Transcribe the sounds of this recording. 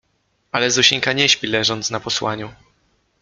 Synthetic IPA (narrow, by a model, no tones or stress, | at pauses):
alɛzuɕiŋkaɲɛɕpʲilɛʐɔnt̪snapɔswa̰ɲu